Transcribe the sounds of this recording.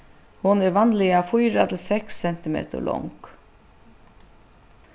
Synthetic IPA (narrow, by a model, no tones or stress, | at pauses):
hʊnɛɾʋanlɪjafujɾat̪ʰɪlsɛksːɛn̥t̪ɪmḛːt̪ə̰lʔɔ̰ŋk